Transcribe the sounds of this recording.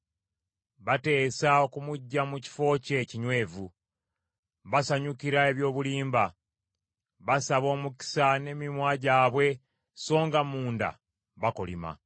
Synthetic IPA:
βate̞ːsao̞kumuɟːamuci̥fo̞ːce̞ːciɲwe̞ːvu | βasaɲukiɾae̞βjo̞ːβuliːmba | βasaβo̞ːmuki̥sane̞mimwaɟaːβwe̞ | so̞ːŋɡamuːnda̰ | βako̰lḭma̰

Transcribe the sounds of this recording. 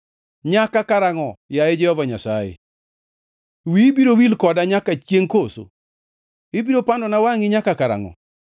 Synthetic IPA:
ɲakakaɾaŋɔjaed͡ʒɛhɔvaɲasajḛ | wibiɾowilkɔdaɲakat͡ʃjeŋkoso̰ | ibiɾopandɔnawaŋɪɲakakaɾa̰ŋɔ̰

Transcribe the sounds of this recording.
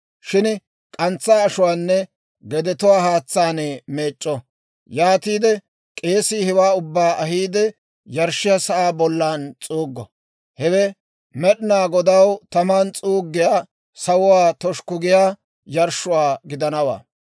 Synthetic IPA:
ʃɪn | kʼɐnt͡sːaːɐʃʊwaːnːɛ | ɡɛd̪ɛt̪ʊwaːhaːt͡sːaːneːmeːt͡ʃʼːɔ | jaːt̪iːd̪ɛ | kʼe̞ːsiːhɛwaːʊbːaːʔɐɦiːd̪ɛ | jɐɾʃɪjɐsɐʔaːbɔlːaːnt͡sʼuːɡːɔ̰ | hɛwɛ | mɛɗɪnaːɡɔd̪ɐwt̪ɐmaːnt͡sʼuːɡːɪjaː | sɐwʊwaːt̪ɔʃkʊɡɪjaː | jɐɾʃʊwaːɡɪd̪ɐnɐwa̰ː

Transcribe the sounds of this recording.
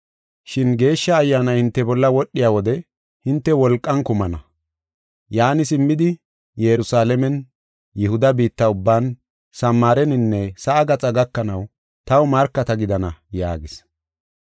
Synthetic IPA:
ʃɪnɡe̞ːʃːɐːjːaːnɐjhɪnt̪ːɛbɔlːɐwɔɗːɪjaːwɔd̪ɛ | hɪnt̪ːɛwɔlkʼːɐnkʊmɐnɐ̰ | jaːnɪsɪmːɪd̪ɪ | jɛɾʊsaːlɛmɛn | jɛhʊd̪ɐbiːt̪ːɐʊbːaːn | sɐmːaːɾɛnɪnːɛsɐʔːɡɐt͡sʼɐɡɐkːɐnɐw | t̪ɐwmɐɾkːɐt̪ɐɡɪd̪ɐnɐjaːɡɪs

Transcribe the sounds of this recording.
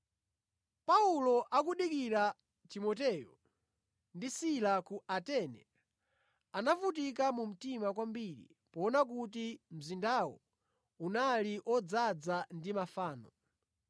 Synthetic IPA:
paulɔʔak̬uɗikiɾa | timɔtɛjɔ | ndisilakuatɛnɛ̰ | anafut̬ik̬amum̩timakwambiɾḭ | pɔːnak̬ut̬im̩zindawɔ̰ | unaliʔɔd͡zad͡zandimafaːnɔ

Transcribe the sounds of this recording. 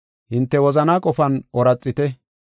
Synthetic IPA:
hɪnt̪ːɛwɔzɐnaːkʼɔfɐnʔɔɾɐt͡sʼːɪt̪ɛ

